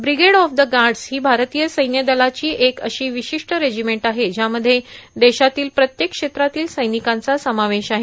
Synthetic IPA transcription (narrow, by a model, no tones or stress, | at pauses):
bɾiɡeɽɔfd̪əɡaɾɖshiːbʱaɾt̪ijəsəjnjəd̪əlat͡ɕiːʔekəɕiːʋiɕiʂʈəɾed͡ʑimeɳʈaɦed͡ʑjaməd̪ʱːjed̪eɕat̪iːlpɾət̪jekʂet̪ɾat̪iːlsəjnikãnt͡sasəmaʋeɕaɦe